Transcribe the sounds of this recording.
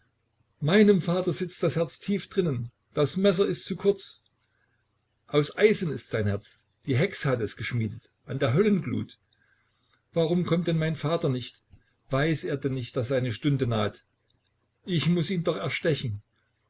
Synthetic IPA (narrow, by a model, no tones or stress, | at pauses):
maɪnəmfaːtɐzɪt͡std̥ashɛɐt͡stʰiːfd̥ʁɪnən | d̥asmɛs̬ɐɪstt͡sukʰʊɐt͡s | ʔaʊsʔaɪzənɪstz̥aɪnhɛɐt͡s | d̥iːɦɛksəhatɛsɡ̥əʃmiːdət | ʔandeːɐɦœlənɡlṵːt | v̥aʁʊmkʰɔmtd̥ɛnmaɪnfaːtɐnɪçt | v̥aɪseːɐdɛnːɪçt̚d̥aszaɪnəʃtʊndənaːt | ʔɪçmʊsiːndɔχɛɐʃtɛçn̩